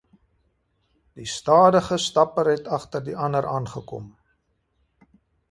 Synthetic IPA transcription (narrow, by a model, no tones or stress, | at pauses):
d̥istɑːdəχəstɐpəɾɦɛtɐχtərdiʔɐnəɾʔɑːnχəkɔ̰m